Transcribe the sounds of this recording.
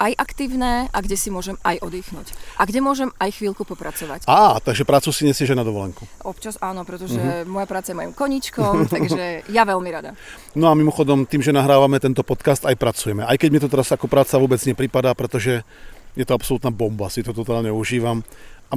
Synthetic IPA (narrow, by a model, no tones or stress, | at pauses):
ʔajʔakt̪iːʊnɛːʔaɡɟɛsimʊɔʒɛmajʔɔd̪iːxnuːcʔaɡɟɛmʊɔʒɛmajxʋiːlkupɔpɾat͡sɔʋacaːt̪aɡʒɛpɾaːt͡susiɲɛsɪɛʒɛnad̪ɔʋɔlɛŋku | ɔpt͡ʃasaːnɔpɾɛt̪ɔʒɛmɔjapɾaːt͡sajɛmɔjimkɔɲit͡ʃkɔmt̪aɡʒɛjaʋɛlmiɾad̪a̰ | nɔamimɔxɔd̪ɔmt̪iːmʒɛnaɦɾaːʋamɛt̪ɛnt̪ɔpɔt̪kast̪ajpɾat͡sujɛmɛʔajkɛɟmɪɛt̪ɔt̪ɛɾazakɔpɾaːt͡saʋʊɔːbɛd͡zɲɛpɾipad̪aːpɾɛt̪ɔʒɛ | jɛt̪ɔapsɔlut̪naːbɔmbasit̪ɔt̪ɔt̪aːlɲɛuʒiːʋama